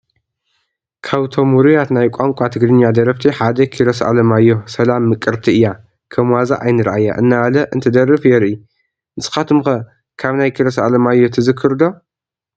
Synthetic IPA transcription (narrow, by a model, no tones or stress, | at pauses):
kʰaβt̪ʰomuɾujat̪najkʷʼaŋkʷʼat̪ʰɨɡɾɨɲːad̪ɐɾɐft̪ʰiħad̪ɐkʰiɾɐsʔa̰lɐmajːo̞sɐlamːɨkʼːɨɾt̪ʰiɨjːa | kʰɐmwaza̰ʔajnɨɾʔajːa̰ʔɨnːaalɐʔɨnt̪ʰɨd̪ɐɾɨfjɛɾʔi | nɨsʼɨ̥xat̪ʰumxɐ | kʰaβnajkʰiɾɐsa̰lɐmajːo̞t̪ʰɨzɨkʰːɨɾd̪o